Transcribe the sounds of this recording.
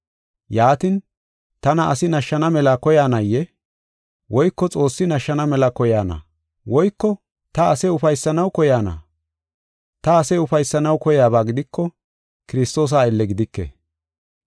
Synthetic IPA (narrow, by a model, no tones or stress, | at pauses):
jaːt̪ɪn | t̪ɐnɐʔɐsɪnɐʃːɐnɐmɛlɐkɔjaːnɐjːɛ | wɔjkːɔt͡sʼo̞ːsːɪnɐʃːɐnɐmɛlɐkɔjaːnɐ̰ | wɔjkːɔ | t̪ɐɐsɛʊfɐjsːɐnɐwkɔjaːnɐ̰ | t̪ɐːsɛʊfɐjsːɐnɐwkɔjaːbaːɡɪd̪ɪkːɔ | kɪɾɪst̪o̞ːs̬aːɪlːɛɡɪd̪ɪkːḛ